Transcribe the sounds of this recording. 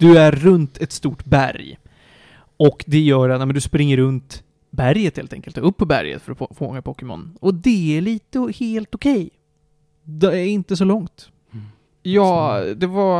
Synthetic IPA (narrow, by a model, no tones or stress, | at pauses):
d̪̥ɵæɾːɵnt̪ʰɛt̪st̪uːʈbæ̰ɾj | ɔkd̪ɛjœːɾat̪ɛmɛnd̪ɵspɾɪŋːəɾɵnt̪ | bæɾjət̪heːlt̪ɛ̰ŋkəlt̪ɾɵpːɔbæ̰ɾjə̰t̪fœɾɔfoːmaŋːapʰɔkːəmɔ̰nɔd̪ɛæɭiːt̪əheːlt̪ɔkʰɛj | d̪ɛɪnt̪əs̬ɔlɔŋt̪ | jɑːd̪ɛva